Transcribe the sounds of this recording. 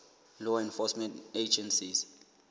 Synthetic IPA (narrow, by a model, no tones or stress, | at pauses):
lɔɛ̃nfɔsmɛ̃nted͡ʒɛ̃nsis